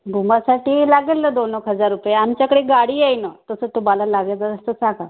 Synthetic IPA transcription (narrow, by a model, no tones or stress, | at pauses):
bʱumasaʈiːlaɡelːəːd̪onɦəkɦəd͡zaɾːupjeamt͡ɕjakəɽeɡaɽiːjejnət̪əsəːt̪umalalaɡjat͡səɾəst̪ət͡saka